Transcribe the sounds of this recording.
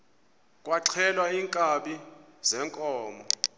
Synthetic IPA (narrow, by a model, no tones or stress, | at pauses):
k̬ʼwaǀʰɛlwaiŋkʼaɓi | zɛŋkʼɔːmɔ